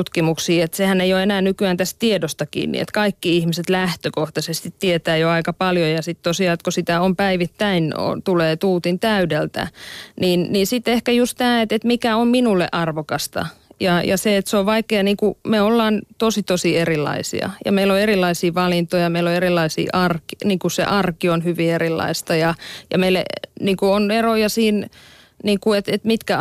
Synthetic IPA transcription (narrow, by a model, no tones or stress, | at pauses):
ut̪kimuksiːet̪sehæneijoenæːnykyæːnt̪æstt̪iedost̪ɑkḭːnnḭḛt̪kɑikːiihmiset̪læht̪økoht̪ɑsest̪it̪tiet̪æːjoɑikɑpɑljojɑsit̪t̪osiɑːt̪̚kosit̪æompæiʋit̪ːæino̰t̪uleːt̪uːt̪int̪æydelt̪æ̰niːnniːsit̪ehkæjust̪t̪æːet̪et̪mikæomminulːḛʔɑrʋokɑst̪ɑ̰jɑjɑseet̪seoʋʋɑikˑeːniːŋkumeolːɑːnt̪osit̪osierilːɑ̰isḭɑ̰jɑ̰meilːoerilˑːɑisiːʋɑlint̪ojɑmeiloerilːˑɑisḭːʔɑrki̥niːŋkusḛʔɑrkionhyʋierilːɑ̰ist̪ɑjɑjɑ̰meilːḛniːŋkuonerojɑsiːn | niːŋkuet̪et̪mit̪kæ